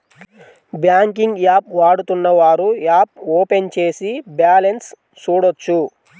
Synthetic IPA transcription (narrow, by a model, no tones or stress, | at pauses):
bjaːŋkiŋɡjaːp̚ʋaːɽut̪unːɐʋaːɾujaːp̚oːpe̞nt͡ʃe̞ːsibjaːlens | t͡ʃuːɽot͡ʃːu